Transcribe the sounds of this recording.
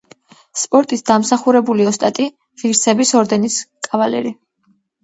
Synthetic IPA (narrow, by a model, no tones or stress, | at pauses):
spʼɔɾt̪ʼisd̪amsaχuɾɛbuliɔst̪ʼat̪ʼi | ʁiɾsɛbisɔɾd̪ɛniskʼavalɛ̰ɾi